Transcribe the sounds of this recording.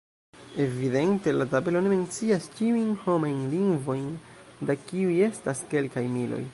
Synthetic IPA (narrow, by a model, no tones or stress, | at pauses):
e̞vide̞nte̞latabe̞lo̞ne̞me̞nt͡siast͡ʃiujnho̞majnliŋɡvo̞jn | dakiuje̞staske̞lkajmilʔo̰j